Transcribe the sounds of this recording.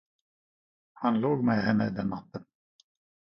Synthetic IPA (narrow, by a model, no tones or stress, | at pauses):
hɑnloːɡmɛːhɛmæ̰d̪ɛnːat̪ːən